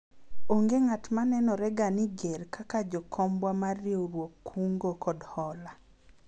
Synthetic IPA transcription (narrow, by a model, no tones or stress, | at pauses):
oŋɡeŋatmanɛnɔɾɛɡaniɡeɾkakad͡ʒɔkʰɔmbwamarːjoɾwokːuŋɡokɔdhɔla